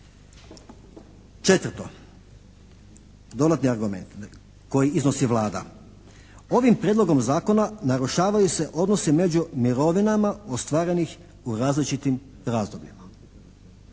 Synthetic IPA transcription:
t͡ʃe̞t̪ʋrt̪o̞ | d̪o̞d̪at̪niaɾɡume̞nt̪ | ko̞jiizno̞siʋlˠaːd̪a̰ | o̞ʋimpɾjeːd̪lˠo̞ɡo̞mzaːko̞nanaɾuʃaːʋajuse̞ʔo̞d̪no̞sime̞d͡ʑumiɾo̞ʋinamaost̪ʋaːɾe̞nix | uɾaːzlit͡ʃit̪im | ɾaːzd̪o̞bʎima

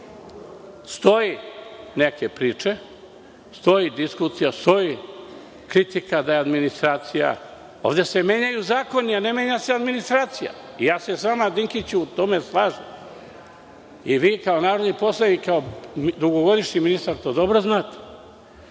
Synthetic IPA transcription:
st̪o̞jineke̞pɾiːt͡ʂe̞ | st̪o̞jid̪iskusijast̪o̞ji | kɾit̪ikad̪ajead̪minist̪ɾaːt̪sija̰ | o̰ːʋd̪e̞se̞me̞ːɲajuzaːko̞niane̞me̞ɲasead̪minist̪ɾaːt̪sija̰ | ijaːsesʋaːmad̪iŋkit͡ɕuːt̪o̞me̞slˠaːʒem | iʋiːkaonaːɾo̞d̪nipo̞slˠanikːaod̪uɡoɡo̞d̪iʃɲiminist̪aɾt̪od̪o̞bɾo̞znaːt̪e̥

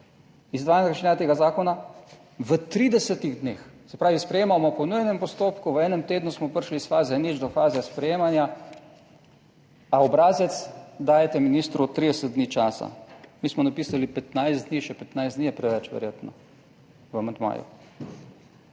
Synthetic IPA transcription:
izd̪ʋaːjnkɾʃinat̪eːɡazaːkɔna | ʋət̪ɾiːd̪ɛsɛt̪iɣd̪neːxsɛpɾaːʋispɾɛjeːmamɔpɔnujɛnɛmpɔst̪oːpkuʋəɛːnɛmt̪eːd̪nusmɔpəɾʃlisfaːzɛnid͡ʒd̪ɔfaːzɛspɾɛjeːmanja | aɔbɾaːzɛt̪sd̪aːjɛt̪ɛminiːst̪ɾut̪ːɾid̪ɛsət̪̚d̪niːt͡ʃaːsa̰miːsmɔnapiːsalipɛt̪najszd̪d̪niːʃɛpɛt̪najsd̪nijɛpɾɛʋɛt͡ʃʋɛ̰ɾjeːt̪nɔ | ʋəamand̪ma̰ːjṵ

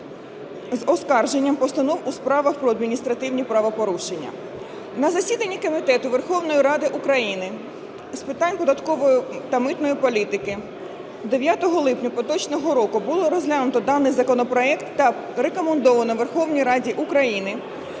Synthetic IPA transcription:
zɔskɑrʒe̞nʲːɐmpɔst̪ɐnɔwuspɾɑʋɐxpɾɔɐd̪mʲinʲist̪ɾɐt̪ɪwnʲipɾɑʋɐpɔɾuʃenʲːɐ̰ | nɐzɐsʲid̪ɐnʲːikɔmʲit̪ɛt̪ʊʋerxɔwnɔjiɾɑd̪ɪʔukɾɐjinɪ | spɪt̪ɑnʲpɔd̪ɐt̪kɔʋɔjʊt̪ɐmɪt̪nɔjipɔlʲit̪ɪkɪ | d̪eʋʲjat̪ɔɦɔlˠɪpnʲɐpɔt̪ɔt͡ʃnɔɦɔɾɔkʊbʊlˠɔɾɔzʲlʲanʊt̪ɔd̪ɑnːɪjzɐkɔnɔpɾɔɛkt̪ːɐ | rekɔmend̪ɔʋɐnɔʋerxɔwnʲijɾɑdʲiʔukɾɐjinɪ

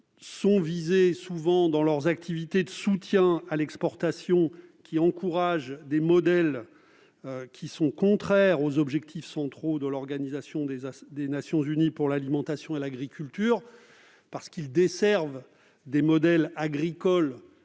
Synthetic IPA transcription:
sɔ̃vizesuvɑ̃d̪ɑ̃lœʁzak̚t̪ʰivit̪ed̪əsut̪jɛ̃alɛkspɔʁt̪asjɔ̃kʲʰiɑ̃kuʁaʒd̪emɔd̪ɛl | kʲʰisɔ̃kɔ̃t̪χɛʁozɔbʒɛk̚t̪ʰifsɑ̃t̪χod̪əlɔʁɡanizasjɔ̃d̪ed̪enasjɔ̃zynipuʁlalimɑ̃t̪asjɔ̃elaɡʁikʲylt̪yːʁ | paʁsə̥kild̪esɛʁv | d̪emɔd̪ɛlaɡʁikɔl

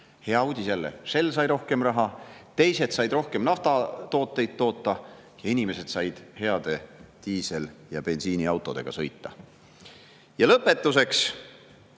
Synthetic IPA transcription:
he̞ɑuːd̪ʲisjælːḛse̞lːsɑjɾo̞hke̞mrɑɦɑt̪e̞jse̞d̪̥sɑjd̪ro̞hke̞mnɑft̪ɑt̪o̞ːt̪ːˑe̞jd̪̚ːo̞ːt̪ːˑɑjɑinʲime̞se̞d̪̥sɑjd̪̥he̞ɑd̪̥e̞t̪iːse̞ljɑbe̞nsiːniɑwt̪ːˑo̞d̪̥e̞̰ɡ̥ɑ̰sɤjt̪ːˑɑ̰ | jɑlɤpːˑe̞t̪ˑːus̬e̞ks

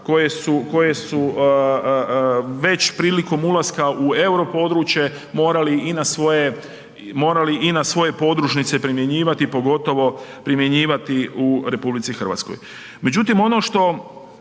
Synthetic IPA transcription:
ko̞jesuko̞je̞su | ʋe̞t͡ɕpɾiːliko̞mulˠaskaue̞wɾo̞po̞d̪ɾuːt͡ɕje̞ | mo̞ːɾaliinasʋo̞je | mo̞ːɾaliʔinasʋo̞je̞po̞d̪ɾuʃnit̪se̞pɾimje̞ɲiːʋat̪ipo̞ɡo̞t̪o̞ʋo̞pɾimje̞ɲiːʋat̪iuɾe̞publit̪sixr̩ʋa̰t̪sko̰j | me̞d͡ʑut̪imo̞no̞ʃt̪o̞

